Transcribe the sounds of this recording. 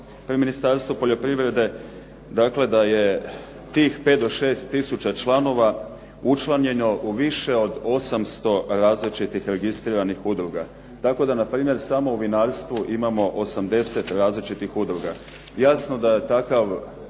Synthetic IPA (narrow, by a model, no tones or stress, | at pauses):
pɾiminist̪aɾst̪ʋupo̞ʎo̞pɾiʋɾe̞d̪e̞ | d̪akle̞d̪aje̞ | t̪iːxpe̞t̪d̪o̞ʃe̞ːst̪ːisut͡ɕat͡ʃlˠano̞ʋa | ut͡ʃlˠaɲe̞noʔuʋiʃe̞o̞d̪o̞samst̪o̞ɾaːzlit͡ʃit̪ixɾe̞ɡist̪ɾiːɾanixud̪ɾuɡa | t̪ako̞d̪anapɾiːmje̞ɾsamo̞uʋinaːɾst̪ʋuʔimamo̞ʔosamd̪e̞se̞t̪ɾaːzlit͡ʃit̪ixud̪ɾuɡa | jasno̞d̪aje̞t̪akaʋ